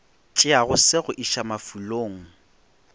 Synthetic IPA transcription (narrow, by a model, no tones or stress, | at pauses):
t͡ʃʼɪaɣʊsɪɣʊʔiʃamafuloːŋ̩